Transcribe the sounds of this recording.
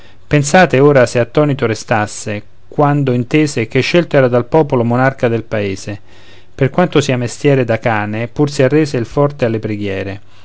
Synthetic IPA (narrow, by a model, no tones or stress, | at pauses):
pensaːt̪eoːɾaseat̪ːɔːnit̪oɾest̪asːe | kwand̪oint̪eːzek̟eʃːelt̪oɛːɾad̪alpɔːpolomonarkad̪elpaeːze | perkwant̪osiːamest̪jɛːɾed̪akaːnepursiarːɛːseilfɔrt̪ealːepɾeɡjɛːɾe